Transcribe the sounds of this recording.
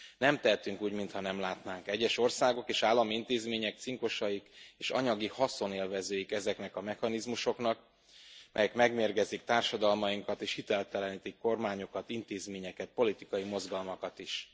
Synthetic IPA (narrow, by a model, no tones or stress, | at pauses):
nɛmt̪ɛɦɛt̪yŋkuːɟmint̪hɒnɛmlaːt̪naːŋkɛɟːɛʃo̞rsaːɡo̞keːʃaːlːɒmiint̪eːzmeːɲɛk̚t̪siŋko̞ʃɒjikeːʃɒ̰ɲɒɡihɒso̞neːlvɛzøːjikɛzɛknɛkɒmɛhɒnizmuʃo̞knɒk̚ | mɛ̰jɛkmɛɡmeːrɡɛzikt̪aːrʃɒd̪ɒlmɒjiŋkɒt̪eːʃhit̪ɛlt̪ɛlɛniːt̪ikːo̞rmaːɲo̞kɒt̪int̪eːzmeːɲɛkɛt̪̚po̞lit̪ikɒjimo̞zɡɒlmɒkɒt̪iʃ